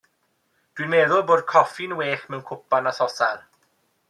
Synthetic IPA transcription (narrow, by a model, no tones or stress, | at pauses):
d̥winmeðʊlˠboːd̚kʰɔfɪnweːxmɛwnkʰʊpanasɔsar